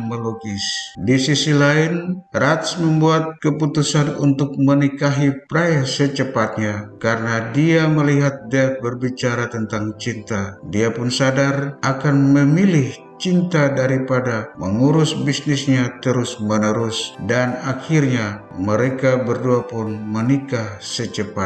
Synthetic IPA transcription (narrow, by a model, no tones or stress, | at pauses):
məloɡisdisisilaɪnrat̪sməmbuat̪̚kəput̪usanunt̪ʊk̚mənikaɦipɾajasət͡ʃəpat̪̚ɲakaɾənadiaməliɦat̪̚dɛt̪̚bərbit͡ʃaɾat̪ənt̪aŋt͡ʃint̪adiapʊnsadarʔakanməmilɪh | t͡ʃint̪adaɾipadaməŋuɾʊsbisnɪsɲat̪əɾʊsmənəɾʊsdanakirɲa | məɾekabərduapʊnmənikahsət͡ʃəpa